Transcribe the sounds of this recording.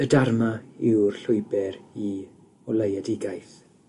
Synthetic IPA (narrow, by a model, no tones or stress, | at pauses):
ədarmaɪwrɬʊjbɛɾi | ɔləjadɪɡajθ